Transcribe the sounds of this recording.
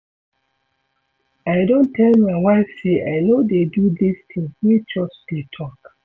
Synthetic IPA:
aɪdõntʰɛlmajwaɪfseʔaɪnodedudist̪ʰĩŋswit͡ʃɔsdetʰɔk

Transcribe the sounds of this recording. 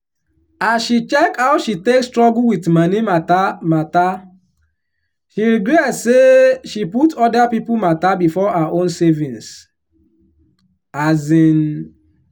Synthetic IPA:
asʃit͡ʃɛkhaʊʃitekstɹɔɡuwitmanimatamata | ʃiɾiɡɾɛseʃiputʰɔdapipumatabifɔaaʔõnsɛvĩns | azĩn

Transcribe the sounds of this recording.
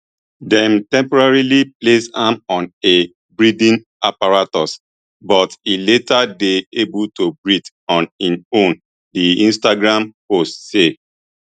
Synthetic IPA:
dɛ̃mtɛ̃mpɔɹaɹiliplesãmɔ̃ne | bɹidĩn | apaɹatɔs | bɔtiletadeebultobɹid | ɔ̃nĩnõn | diĩnstaɡɹãmpostse

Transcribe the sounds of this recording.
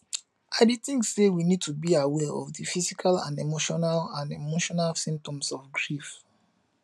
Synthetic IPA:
aditĩŋssewinid̚tʰubiawɛɹɔ̰vðəfizikʰalã̰nemoʃɔnalãnemoʃɔnalsĩmp̚tɔ̃msɔvɡɹif

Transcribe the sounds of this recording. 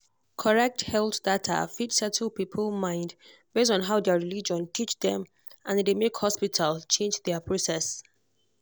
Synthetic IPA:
kʰɔɹɛk̚thɛlˠθdatʰa̰fitsɛtʰəlˠpipʰəlˠmãɪ̃nd | b̥es̬tɔ̃nɦaʊdɛəɹilid͡ʒɔ̃ntʰit͡ʃdɛ̃m | ʔãndemekhɔspitʰalˠt͡ʃʰẽnd͡ʒdɛəpʰɹosɛs

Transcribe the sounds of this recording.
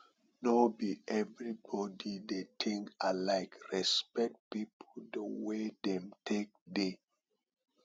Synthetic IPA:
nobiʔɛvɹibɔdidetʰĩŋalaɪkɹɛspɛk̚t̚pipʰodəwedɛ̃mtʰek̚de

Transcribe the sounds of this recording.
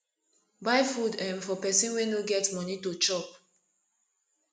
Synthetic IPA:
baɪfudɛ̃mfɔpɛsĩnwenoɡɛtmɔnitut͡ʃɔp̚

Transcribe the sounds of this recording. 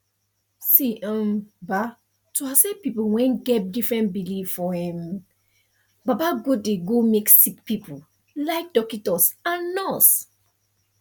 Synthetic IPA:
siʔə̃mba | tʰuasɛpipuwɛ̃nɡɛt̚difɹɛ̃ntbilivfɔɛ̃m | babaɡodeɡomeksik̚pipu | laɪk̚d̥ɔkitɔsãnːɔs

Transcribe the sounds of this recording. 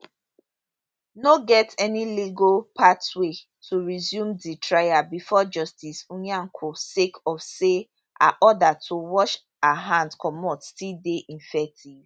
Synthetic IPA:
noɡɛtɛniliɡopʰatwe | tʰuɹizjũmditʰɹajabifɔd͡ʒɔstisũɲaŋ̩kʰosekɔfse | ʔa̰ʔɔdatʰuwɔʃ | aɦãndkʰɔmɔtstildeʔĩnfɛk̚tʰiv̥

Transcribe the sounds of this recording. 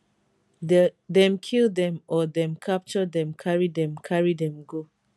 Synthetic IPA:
dɛ̃mkʰildɛ̃mɔdɛ̃mkʰap̚t͡ʃɔdɛ̃mkʰaɹidɛ̃mkʰaɹidɛ̃mɡo

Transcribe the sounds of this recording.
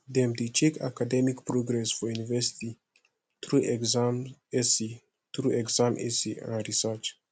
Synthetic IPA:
d̪emd̪it͡ʃekʰa̰kad̪emikpɾoɡɾesfoinvest̪i | t̪ɾuzamesi | t̪ɾueɡzamʔesiʔã̰ɾisat͡ʃ

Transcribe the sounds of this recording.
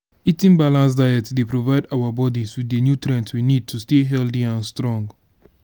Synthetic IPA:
itĩnbalãns̬dajɛtdepɹovaɪdawabɔdiswidenjutɹɛ̃ntswinid̚tʰusteɦɛldiãnstɹɔ̃ŋɡ

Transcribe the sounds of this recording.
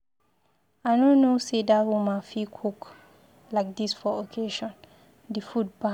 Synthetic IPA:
anõnːosedahumafikʰuk | lajk̚d̪isfɔɔkʰeʃɔ̃n | difud̚ba

